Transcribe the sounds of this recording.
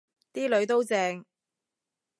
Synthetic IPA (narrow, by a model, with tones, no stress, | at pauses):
t̪iː˥lɵ˨˧ɥt̪o˥wt͡sɛː˧ŋ